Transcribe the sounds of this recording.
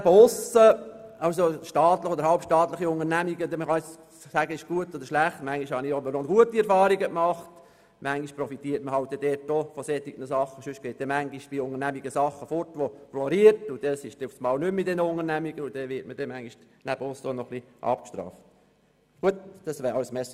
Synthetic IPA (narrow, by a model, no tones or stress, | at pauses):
nbəʊsəɑwsoʃtɑːt̪ləχod̪əɾhɑlpʃtɑːt̪ləχiʊŋəɾnæmiɡəd̪ɛməχɑnɪ | sæɡəɪʃɡ̥uətːodəɾʃlæχtmæŋɡiʃhɑniobənɔnɡ̥uətiɛɾfɑːɾiɡəkmɑχt | mæŋɡiʃpɾɔfitiːətməhɑlt̚d̥ɛdɛrtːofɔsɛt̪ːiɡ̥nəsɑχːəʃʏʃɡ̥eːt̪̚d̥ɛmæŋɡiʃb̥iʊŋəɾnæmiɡəsɑχːəfɔɾtʋoflɔɾiətʊd̥ɛsɪʃt̪ɪftsmɑːwnʏmːɪt̚dɛnəʊŋənæmiɡ̥əʊd̥ɛʋɪtmədɛmæŋɡiʃ | næbəɔsonɔχli | ʔɑ̰pkʃt̪ɾɑ̰ːft | ɡ̥uətd̪̥ɑsʋæːɾɑlsmɛs